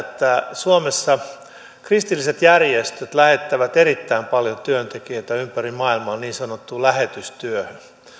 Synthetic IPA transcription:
t̪ːæsuomesːɑ | krist̪ilːiset̪jærjest̪øt̪læhet̪ːæʋæt̪eɾit̪ːæimpɑljot̪yønt̪ekiet̪æympærimɑilmɑonniːnsɑnot̪ːuːlæhet̪yst̪yøhø

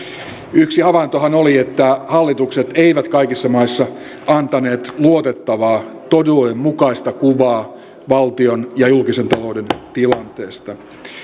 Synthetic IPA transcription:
yksihɑʋɑnt̪ohɑnoliet̪ːæhɑlːit̪ukset̪eiʋæt̪kɑikisːɑmɑisːɑ | ɑnt̪ɑne̞ːt̪luot̪et̪ːɑʋɑːt̪oduemmukɑist̪ɑkuʋɑː | ʋɑlt̪ionjɑjulkisent̪ɑloudent̪ilɑnt̪e̞ːst̪ɑ

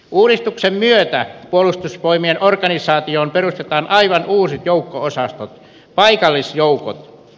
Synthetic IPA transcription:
uːdist̪uksemmyøt̪æpuolust̪usʋoimienorkɑnisˑɑːt̪ioːmperust̪et̪ɑːnʔɑiʋɑnuːsit̪joukːoosɑst̪ot̪ | pɑikɑlːisjouko̰t̪

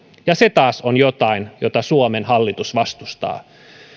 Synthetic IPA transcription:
jɑset̪ɑːsonjot̪ɑinjot̪ɑsuomenhɑlːit̪usʋɑst̪ust̪ɑ̰ː

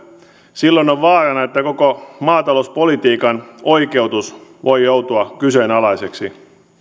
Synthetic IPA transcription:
silːonoʋʋɑːɾɑnɑet̪ːækokomɑːt̪ɑlouspo̞lit̪iːkɑno̞ike̞wt̪usʋʔo̞jjowt̪uɑkysenɑlɑjseksḭ

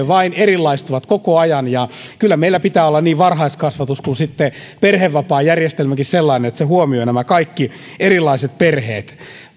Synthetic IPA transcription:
eʋɑinerilːɑist̪uʋɑt̪kokoɑjɑnjɑkylːæmeilːˑæpit̪æːolːɑnniːʋʋɑrhɑiskɑsʋɑt̪uskunsit̪ːe | perheʋːɑpɑːjærjest̪elmækisselːɑinenet̪sehuomionæmækɑikːi | erilːˑɑiset̪̚perheːt̪

